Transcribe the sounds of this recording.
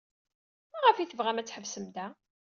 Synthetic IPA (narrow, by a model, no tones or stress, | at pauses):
æʁəfiθəvʁæmæt͡sːħəvsəmd̪æ